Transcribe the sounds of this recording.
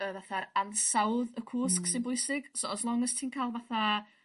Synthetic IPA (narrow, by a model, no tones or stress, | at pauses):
əvaθaɾansawðəkʰuːsksɪnbʊɨsɪɡ̥soɔslˠɔŋəstʰiːnkʰaːlˠvaθa